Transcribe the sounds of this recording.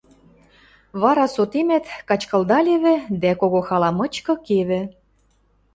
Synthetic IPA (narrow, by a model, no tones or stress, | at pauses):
βɑɾɑsot̪emæt̪kɑt͡ɕkɤ̆ld̪ɑlʲeβɘ̆d̪ækoɣoxɑlɑmɤ̆t͡ɕkɤ̆keβɘ̆